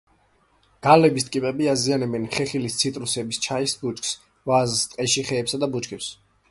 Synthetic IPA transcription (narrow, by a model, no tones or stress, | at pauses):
ɡ̥alɛbist̪ʼkʼipʼɛbiazianɛbɛnχɛχilist̪sʰit̪ʼɾusɛbist͡ʃʰaisbut͡ʃʼks | vazst̪ʼqʼɛʃiχɛːpsad̪abut͡ʃʼkʰɛps